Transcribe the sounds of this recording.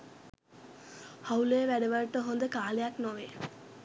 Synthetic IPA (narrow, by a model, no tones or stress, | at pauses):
hauleːʋæɖeʋəɭʈəɦond̪əkaːlejaknoʋe